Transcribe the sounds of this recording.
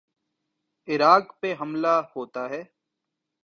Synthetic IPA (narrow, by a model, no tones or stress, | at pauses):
ɪɾaːkpeɦɐmlahoːt̪aɦɛː